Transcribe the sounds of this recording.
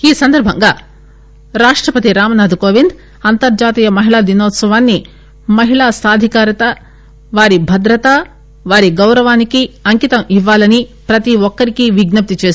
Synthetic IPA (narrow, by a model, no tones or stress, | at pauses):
iːsɐnd̪ɐɾbʱɐŋɡaː | ɾaːʂʈɾɐpɐt̪iɾaːmɐnaːd̪ʱukoːʋind̪ | ɐnt̪ɐɾd͡ʒaːt̪iːjɐmɐɦiɭaːd̪inɔːt̪sɐʋaːnːi | mɐɦiɭaːsaːd̪ʱikaːɾɐt̪ɐ | ʋaːɾibʱɐd̪ɾɐt̪a | ʋaːɾiɡɐwɾɐʋaːnikiɐŋkit̪ɐmiʋːaːlɐnipɾɐt̪iʋɔkːɐɾikiʋiɡnɐp̚t̪it͡ʃe̞ːs